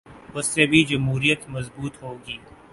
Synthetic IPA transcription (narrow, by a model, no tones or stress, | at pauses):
ʊsːebʱid͡ʒɐmɦuːɾijət̪mɐzbuːt̪ɦoːɡiː